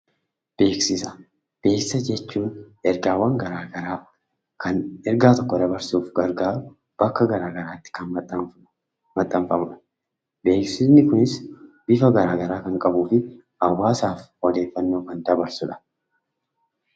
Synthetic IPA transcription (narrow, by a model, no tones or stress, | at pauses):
b̥eːksɪsɐ̥ | b̥e̞ːksɪsɐd͡ʒɛt͡ʃːuːnʔɛɾɡaːwɐŋɡɐɾaːɡɐɾaː | kʰɐnɛɾɡaːt̪ɔkːɔd̪ɐbɐɾsuːfɡɐɾɡaːɾʊ | b̥ɐkːɐɡɐɾaːɡɐɾaːt̪ːɪ̥kɐn | mɐt̪ʼːɐmfɐmʊᶑɐ̥ | be̞ːksɪsnɪkʊnɪsbɪfɐɡɐɾaːɡɐɾaːkɐŋkʼɐbuːfɪ | ɐwːaːsaːfhɔd̪e̞ːfːɐnːo̞ːkɐnd̪ɐbɐɾsʊᶑɐ̥